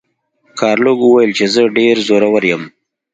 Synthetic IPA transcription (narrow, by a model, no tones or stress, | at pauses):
kʰɑːɾloɡuwajəlt͡ʃezəɖeɾzoɾawaɾjəm